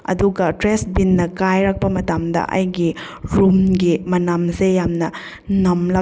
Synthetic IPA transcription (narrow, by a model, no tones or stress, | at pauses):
ɐ̰duɡɐtɾesbinːɐkajɾɐk̚pɐmɐtamdɐ̰ʔɐ̰jɡi | ɾumɡimɐnamsejamnɐ | nɐmlɐ